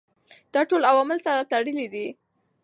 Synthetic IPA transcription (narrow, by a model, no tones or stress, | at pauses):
d̪̥ɑʈolawɑmɪlsaɾat̪aɽəlid̪i